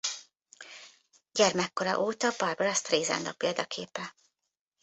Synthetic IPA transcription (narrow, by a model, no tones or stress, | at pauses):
ɟɛrmɛkːoɾɒ̰ʔoːt̪ɒbɒrboɾɒst̪reːzɛ̰nd̪ɒpeːld̪ɒkʰeːpɛ